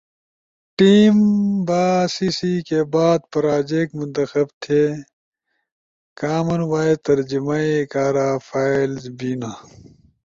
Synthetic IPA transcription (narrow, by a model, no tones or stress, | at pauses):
ʈiːmbaːsiːsiːkebaːd̪̚pɾaːd͡ʑeːkmʊnt̪ɐxɐbt̪ʰeː | kaːmɐnwaːet̪ɐɾd͡ʑimaːikaːɾaːfʰaːilzbiːnaː